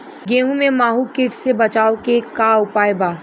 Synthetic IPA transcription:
ɡeːũmẽmaːɦukɪʈsebɐt͡ʃaːokekaːʊpaːjbaː

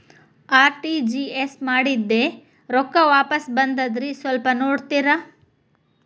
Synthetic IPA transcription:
aːɾʈid͡ʒiesmaːɽid̪ːe | ɾɔkːɐʋaːpɐsbɐnd̪ɐd̪ɾisʋɐlpɐnoːɽt̪iɾɐ

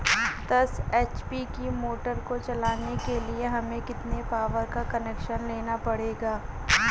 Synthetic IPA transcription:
d̪ɐseːt͡ʃpikimoːʈəɾkot͡ʃɐlaːnekelieɦɐmẽkɪt̪nepaːʋəɾkakɐneːkʃənleːnapɐɽeːɡaː

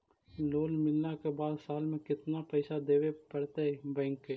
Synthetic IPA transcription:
loːlmɪlnakebaːd̪saːlmẽkɪt̪napəɪsad̪eːʋepəɽt̪eɦɛbɛ̃ːŋke

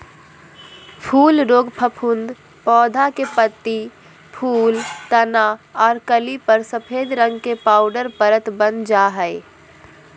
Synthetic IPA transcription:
pʰuːlɾoːɡpʰəpʰund̪ | pɔːd̪ʱakepət̪ːi | pʰuːlt̪ənaɔːɾkəlipəɾsəpʰed̪ɾə̃ŋɡkepaːʊɖəɾpəɾət̪bənd͡ʒaɦəɪ

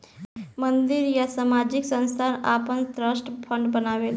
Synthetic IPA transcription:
mənd̪iɾjasamad͡ʒiksə̃nst̪ʰanapənt̪ɾəsʈpʰəɳɖbənaʋel

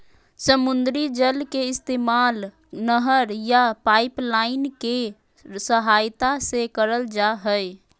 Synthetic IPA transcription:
səmʊnd̪ɾid͡ʒəlkeɪst̪eːmaːl | nəɦəɾjapaɪplaɪnke | səɦajt̪asekəɾəld͡ʒaɦəj

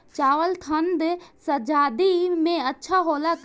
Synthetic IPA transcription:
t͡ʃaːwəlt̪ʰənd̪səd͡ʒaːd̪imẽətːʃʰaɦoːlak

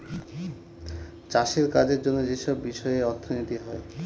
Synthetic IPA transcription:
t͡ɕaʃeɾkad͡ʑeɾd͡ʑonːod͡ʑeʃɔbːiʃɔeeɔɾt̪ʰonit̪iɦɔe

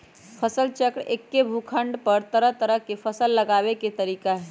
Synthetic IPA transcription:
pʰəsəlt͡ʃəkɽḛkːebʱukʰəɳɖpəɾt̪əɾəɦt̪əɾəɦkepʰəsəlːəɡabeket̪əɾiːkaɦɛ

